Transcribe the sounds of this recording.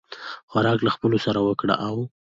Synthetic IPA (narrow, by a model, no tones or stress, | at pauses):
xaɾɑklaxpəlosaɾawəkɽa̰ʔaw